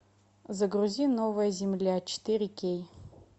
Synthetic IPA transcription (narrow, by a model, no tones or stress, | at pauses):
zɐɡruzʲinovɐjɐzʲɪmlʲat͡ʃʰɪ̥t̪ʰɨrʲikʲej